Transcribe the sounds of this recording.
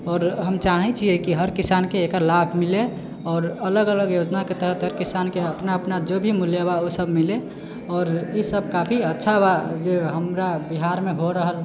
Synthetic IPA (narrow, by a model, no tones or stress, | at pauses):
ɔːɾɦəmt͡ʃaɦɛ̃t͡ʃʰiɛkiɦəɾkisankeekəɾlabʱmile | ɔːɾələɡələɡjod͡ʒnaket̪əɦət̪ɦəɾkisankeəpnaəpnad͡ʒobʱimuljəβaosəbmile | ɔːɾisəb̚ʱkapʰiətːʃʰabad͡ʒeɦəmɾabiɦaɾmeɦoɾəɦəl